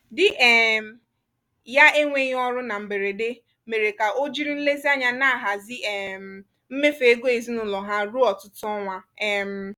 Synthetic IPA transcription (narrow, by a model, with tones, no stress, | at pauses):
dɪ˨ʔɛ˨˦ | ja˦e˦ŋʷe˦ɲ˦ɔ˦ɾʊ˦na˨m̩˨be˨ɾe˨de˦ | me˨ɾe˨ka˨o˦d͡ʒi˦ɾi˦n̩˦le˦zi˦a˦ɲa˦na˦a˨ɦa˨zɪ˦ɛ˨m̩˨ | m̩˦me˦fe˨e˦ɡo˦e˨zi˦nʊ˨lɔ˨ɦa˦ɾu˦ɔ˨tʊ˦tʊ˦ɔ˦ŋʷa˦ɛ˨m̩˦